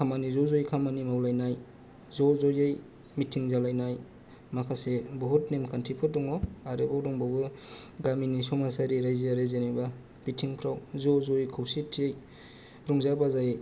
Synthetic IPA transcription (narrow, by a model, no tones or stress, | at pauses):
kʰamanizɔzojkʰamanimawlajnaj | zɔzɔjej | mitʰiŋzalajnaj | makʰasebɔɦutnemkʰantʰipʰɯdɔŋɔaɾebawdɔŋbawbɯɡaminisɔmasaɾiɾajziaɾezeneba | b̥itʰiŋpʰɾawzɔzojkʰawsitʰiej | ɾɔŋzabazaj